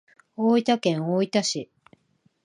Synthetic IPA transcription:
oːit̪akẽ̞ɰ̃oit̪aɕi

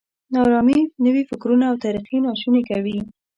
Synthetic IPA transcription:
nɑɾɑminəwifɪkɾunaːwt̪aɾiqinɑʃunekawi

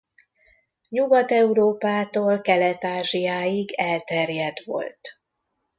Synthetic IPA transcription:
ɲuɡɒt̪ɛuɾoːpaːt̪oːlkɛlɛt̪aːʒijaːjiɡɛlt̪ɛrjɛd̪ʋo̞̰lt̪

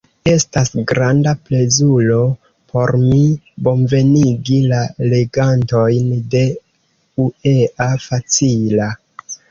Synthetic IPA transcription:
e̞stasɡɾandaple̞zulo̞ | pʰo̞ɾmi | bo̞nve̞niɡilale̞ɡanto̞jnde̞ | ueʔafat͡sila

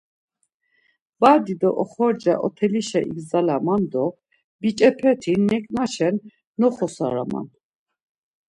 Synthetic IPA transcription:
b̥ad̪id̪ɔʔɔχɔɾd͡ʒaʔɔ̰t̪ʰɛliʃɛʔiɡzalamand̪ɔ | b̥it͡ʃʼɛpʰɛt̪ʰinːɛkʼnaʃɛnː | ɔχɔsa̰ɾa̰ma̰n

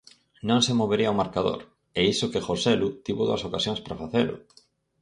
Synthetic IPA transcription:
nõŋsemoβeɾiɐawmaɾkaðo̰ɾ | ɛisʊkɪxosɛlut̪iβʊðo̰ɐsokasjoŋspɾafaθelʊ̰

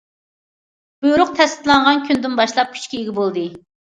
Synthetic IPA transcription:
b̥ujɾʊq̚t̪ʰɛst̪ɪ̥t̪lˠɑɴʁɑnkʲʰynd̪ɪnbɑʃlˠɑp̚kʲʰy̥t͡ʃkʲiiɡʲɪbolˠd̪ɨ

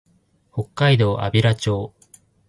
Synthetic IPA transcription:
ho̞kːaid̪o̞ːʔa̰bʲiɾat͡ɕo̞ː

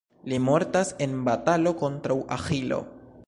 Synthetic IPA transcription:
limo̞ɾtase̞nbatalo̞ko̞ntɾawʔa̰xilo̞̰

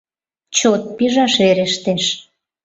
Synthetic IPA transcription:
t͡ɕot̪̚piʒɑʃeɾeʃt̪eʃ

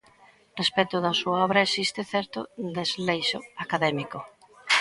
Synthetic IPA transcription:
respɛt̪ʊðɐsuaɔβɾɐesist̪ɪθɛɾt̪ʊd̪ezlejʃʊakaðɛmiko

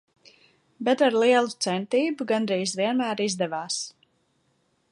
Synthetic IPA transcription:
bɛt̪aɾlˠiɛlˠut̪sɛnt̪iːbuɡanɾiːzviɛnmæːɾizd̪ɛvaːs

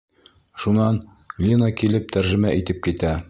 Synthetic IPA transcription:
ʃunɑn | ɡlʲinɑkilɘp̚t̪ʰæɾʒɘ̆mæʔit̪ɘp̚kit̪æ

